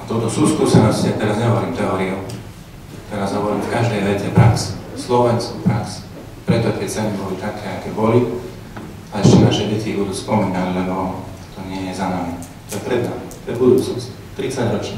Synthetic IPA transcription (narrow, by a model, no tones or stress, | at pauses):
at̪ɔt̪ɔsuːsk̪usanasscɛat̪ɛɾazɲɛɦɔʋɔɾiːmt̪ɛɔːɾiu | kt̪ɛɾaːzɦɔʋɔɾiːfkaʒd̪ɛjʋɛtɛpɾaksslɔʋɛnskupɾaks | pɾɛt̪ɔkɛsɛnibɔlit̪akʰɛːakɛbɔli | alɛʃtɛnaːʃɛɟɛcibud̪uːspɔmiːnallɛnɔ | t̪ɔɲɪɛjɛzanami | t̪ɔjɛpɾɛd̪namit̪ɔɛbud̪uːt͡snɔsc | t̪ɾit͡saɟɾɔt͡ʃni